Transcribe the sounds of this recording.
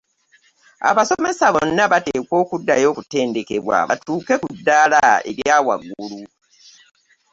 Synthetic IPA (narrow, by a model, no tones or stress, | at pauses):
a̰βaso̞me̞saβonːaβateːkwo̞ːkudːajo̞ːkute̞ːnde̞ke̞βwa̰βa̰tuːke̞kudːaːlaḛɾjaːwa̰ɡulu